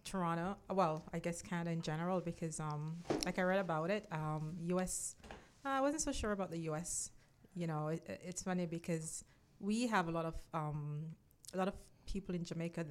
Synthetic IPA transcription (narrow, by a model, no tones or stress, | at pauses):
tʰə˞ɑɾ̃oʊwɛlˠaɪɡɛskʰãɪndɨɨ̃nd͡ʒɛnə˞əl̩ˠbɨkʰʌzʌ̃mlaɪkaɪɹɛɾɨbaʊɾɪt̚ʌ̃mjʉɛs | aɪwʌzɨ̃n̩tsoʊʃʊɹəbaʊt̪̚ðɨjʉɛs | jɨñoʊɪɪ̰ʔɪtsfʌnibɨkʰʌz | wiəvəlɔɾʌv̥ʌ̃m | əlɔɾʌv̥pʰipl̩ˠɨ̃nd͡ʒɨmeɪkɨð